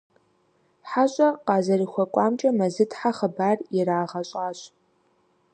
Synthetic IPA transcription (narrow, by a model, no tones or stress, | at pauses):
ħaɕʼɐqɑːzɐriːxʷɔkʷʼɑːmt͡ʃʼɐmɐzɨtʰʼħaχəbaːrɪraːʁɐɕʼaːɕʼ